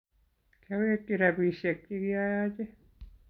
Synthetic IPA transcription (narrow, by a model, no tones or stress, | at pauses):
kæʋeˑk̪ːiræpiˑsːekːikiɑjɑːˑt̪i